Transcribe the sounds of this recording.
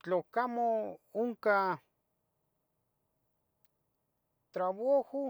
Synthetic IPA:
t͡ɬokamooŋka | t̪ɾaβoho

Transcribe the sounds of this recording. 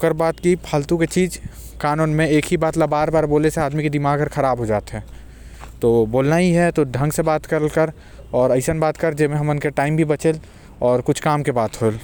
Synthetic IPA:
kəɾbaːt̪kipʰəlt̪ũket͡ʃiːd͡ʒ | kaːnuːnmẽeːkɦibaːt̪labaːɾbaːɾboːleseaːd̪miked̪ɪmaːɡəɾxʰɐɾaːbɦod͡ʒaːt̪ɦɛː | t̪oːboːlnaiɦɛt̪oɖʱɐ̃ŋɡsebaːt̪kɐɾlkəɾ | ɔːɾɐɪsənbaːt̪kəɾd͡ʒemẽɦɐmʊnkeʈaːɪmbʱibɐt͡ʃel | ɔːɾkʊt͡ʃʰkaːmkebaːt̪ɦoːl

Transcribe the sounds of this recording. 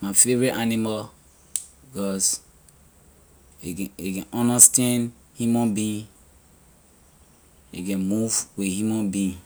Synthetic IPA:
mafeɹiʔanima | ɡɔs | eekɛ̃nʔɔ̃nastɛ̃n | hjumɔ̃nbĩn | ḛkɛ̃nmuvwihjumɔ̃nbĩn

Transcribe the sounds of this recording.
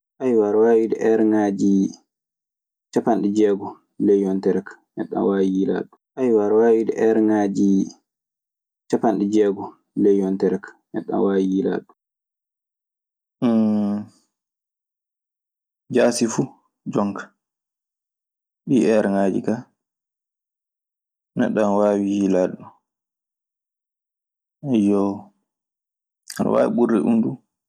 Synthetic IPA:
ʔajwaɾwaːwidɛʔɛɾŋaːd͡ʒi | t͡ʃapanid͡ʒɛːɡɔ | lɛjɔntɛɾɛkḁnɛ̰ɗːa̰nwajila̰ːɗuʔajwaɾwaːwidɛ̰ʔɛɾŋad͡ʒi | t͡ʃapanɗid͡ʒɛɡɔ | lɛjɔntɛɾɛkḁnɛ̰ɗːa̰nwajila̰ɗu | d͡ʒaːsifu | d͡ʒɔŋkḁ | ɓiɛɾaŋaːd͡ʒḭka | nɛ̰ɗːanwaːwihilaɗɔ | ajɔ | ana̰wa̰ːwḭɓurːɛʔundu

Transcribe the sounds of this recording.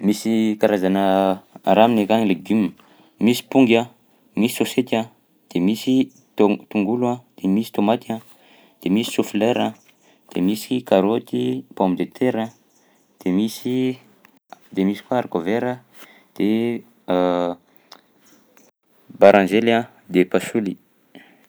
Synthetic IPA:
misikaɾazanəa̰ɾaminekanleɡim | misi̥puŋɡa | misi̥soset̪a | d̪̥emisi | t̪t̪uŋɡulãd̪̥emisi̥t̪omat̪ia | d̪̥emisi̥sufleɾa | d̪̥emisi̥kaɾot̪ipõmbid̪et̪ʰeɾa | d̪̥emisi | d̪emisi̥kuaɾkoveɾə | d̪̥e | baɾãnzelia | d̪epasuli

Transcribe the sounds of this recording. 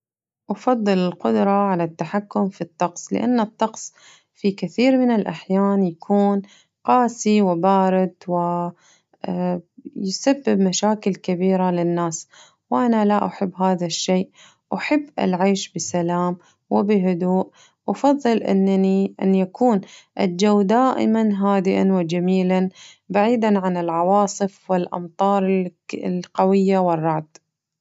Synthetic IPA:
ʔɑfɑðˤːɨlɪlqʊd̪ɾˤɑʕalat̪ːaħakːʊmfit̪ˤːɑqsˤlɪ̰ʔa̰nːɨt̪ˤːɑqsˤ | fikɪθiːɾmɪnɪlʔa̰ħjaːnjakʰuːn | qɑːsiwɪbaːɾɪd̪wɪ | jsabːɪbmaʃaːkɪlkɪbiːɾalɪnːaːs | wʔanalaʔaħɪbːɦaːðaʃːeːʔ | ʔaħɪbːʔɪ̰lʕajʃbɪsalaːm | wɪbɪɦʊd̪uːʔ | ʔɑfɑðˤːɨlʔɪ̰nːaniʔa̰njakuːnʔad͡ʒawd̪aːʔɪ̰manɦaːd̪ɪʔa̰nwɪd͡ʒamiːlan | baʕiːd̪anʕanɪlʕɑwɑːsˤɨfwɪlʔɑ̰mt̪ˤɑːɾˤlqawɪjːawɪrˤːɑʕd̪

